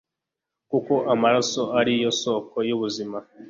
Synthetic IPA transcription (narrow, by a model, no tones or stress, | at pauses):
kuko̞ʔamaɾaso̞aɾijo̞so̞ːko̞juβuzima